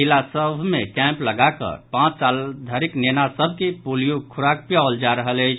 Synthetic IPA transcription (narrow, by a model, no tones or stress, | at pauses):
ɦilasəbʱmekɛ̃mpləɡakə̰ɾpãt͡ʃt͡ʃald̪ʱaɾiknenasəbʱkipulijokʰuɾak̚pjald͡ʒaɾəɦələjt͡ʃʰ